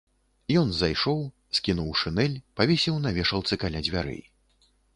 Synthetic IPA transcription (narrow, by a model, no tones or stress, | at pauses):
jɔnzajʂɔw | sʲkʲinuwʂɨnɛlʲpavʲesʲɛwnavʲɛʂɐlˠt̪sɨkalʲad͡zʲvʲaɾɨ̰